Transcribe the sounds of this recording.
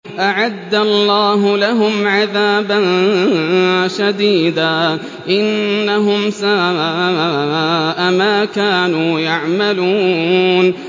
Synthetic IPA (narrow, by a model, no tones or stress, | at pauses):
ʔaʕad̪ːalːɑːɦʊlaɦʊmʕaðaːban | ʃad̪iːd̪aː | ʔɪnːaɦʊmsawawaːaːaːʔamaːkaːnuːjaʕmaluːn